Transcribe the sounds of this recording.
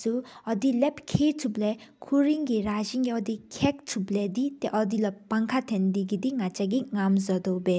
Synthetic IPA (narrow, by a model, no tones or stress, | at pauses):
suɔd̪ilɛpkʰetʰublɛkʰuɾiŋɡiɾaziŋɡiɔd̪ikʰɛk̚tʰublɛdit̪ɛʔɔd̪ilɔpaŋkʰat̪ʰɛnd̪idid̪iŋat͡ʃaɡiŋamzɔd̪ɔwbe